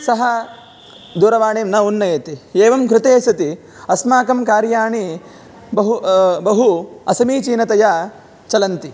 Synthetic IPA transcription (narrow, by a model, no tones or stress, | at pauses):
sɐɦɐ | d̪uːɾɐʋaːɳeːmnɐunːɐjɐt̪ieːʋɐmkɾɪt̪eːsɐt̪i | ɐsmaːkɐmkaːɾjaːɳi | bɐɦubɐɦuɐ̰sɐmiːt͡ʃiːnɐt̪ɐja | t͡ʃɐlɐnt̪i